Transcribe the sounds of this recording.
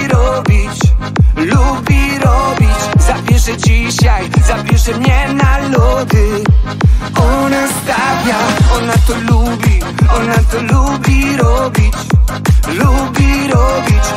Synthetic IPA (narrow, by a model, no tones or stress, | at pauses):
ɾɔbʲit͡ɕlubʲiɾɔbʲit͡ɕzavʲjɛʂɛd͡ʑiɕajzapʲjɛʂɛmɲɛnalɔd̪ɨ | ɔnast̪avʲjaɔnat̪ɔlubʲi | ɔnat̪ɔlubʲiɾɔbʲit͡ɕ | lubʲiɾɔbʲit͡ɕ